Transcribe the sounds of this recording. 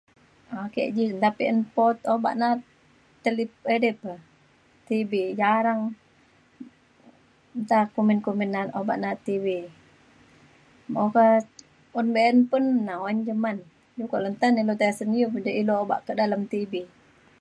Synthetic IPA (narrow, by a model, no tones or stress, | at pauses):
akɛ̰ʔd͡ʒint̪apiʔənpɔt̪oba̰ʔna | t̪əlip̚ədɛpə | t̪ibid͡ʒaɾaŋ | nt̪akuminkuminːanʔoba̰ʔnat̪ibi | moka | unbeənpunːawoind͡ʒəman | jukoʔlənt̪anilot̪aasənijud͡ʒaʔilooba̰ʔkədalamt̪ibi